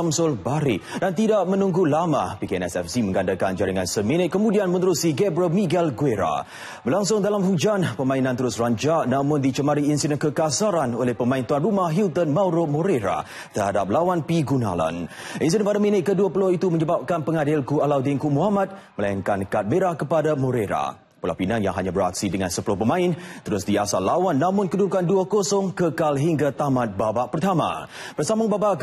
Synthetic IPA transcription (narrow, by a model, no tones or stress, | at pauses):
amsʊlbaɾɪʔdant̪idaʔmə̃nũŋɡulamã̰pikeɛ̰nɛsɛfsimə̃ŋɡandakand͡ʒaɾiŋansəminət̪̚kːəmũdianmə̃nəɾusiɡɛbɾəlmiɡɛlɡueɾa̰ | bərlaŋs̬ʊŋdalamɦud͡ʒanpəmãinãnt̪əɾʊsraɲd͡ʒaʔnãmʊ̃ndit͡ʃəmaɾiinsinəkəkasaɾanolɛhpəmãint̪uanrumahɦilt̪ənmãwɾʊmoɾeɾa̰ | t̪ərhadap̚lawanpiɡuna̰la̰nʔins̬inəpadaminət̪̚kəduəpəlohit̪uməɲəbap̚kanpəŋadɪlkualawdɪnkumuɦamat̪̚məlaiŋkankat̪̚mə̃ɾahkəpadamoɾeɾa̰ | pula̰pinanja̰ŋɦaɲabəɾa̰k̚sidəŋansəpəlɔhpəmãɪnt̪əɾʊsdiasalːawanːãmʊ̃nkədukanduakosɔŋkəkalɦiŋɡat̪amãt̪̚babaʔpərt̪ama̰b̥ərsamʊŋbabaʔ